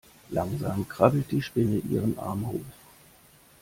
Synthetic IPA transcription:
laŋzaːmkʁ̥abl̩t̚d̥iːʃpɪnəʔḭːʁ̞ənʔa̰ɐmhoːf

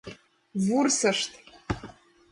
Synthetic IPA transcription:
vursɐʂtʰʼ

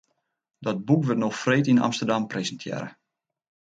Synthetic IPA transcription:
dɔt̚bukʋətnoxfreːtina̰mstərdamprezəntʰjɛ̰ːɾə

